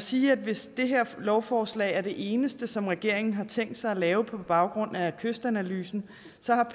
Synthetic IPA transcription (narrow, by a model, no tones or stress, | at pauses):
siːæd̥ʋe̝sd̥e̝ɦeɐ̰lɒʊfɒːslɛ̰ɪ̰æɐɾ̥e̝ʔe̝ːnəsd̥əsɒ̽mʁɛɡ̥e̝ɐ̰e̝ŋn̩ɦɑ̈t͡sʰeŋ̰ɡd̥sɑ̈ɪælɛːʊəpʰɒ̽b̥ɑ̈ʊɡ̥ʁɔ̽n̰ækʰøsd̥ænælyːsn̩ | sɒ̽hɑ̈pʰ